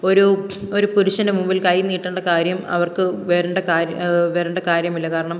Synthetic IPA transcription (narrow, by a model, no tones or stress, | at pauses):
o̞ɾuo̞ɾupuɾuɕɐnemumbilkɐjiniːʈːɐɳɖɐkaːɾjɐmɐ̰ʋɐrkɨʋeːɾuɳɖekaːɾʋeːɾuɳɖekaːɾjɐmilːɐkaːɾɐɳɐm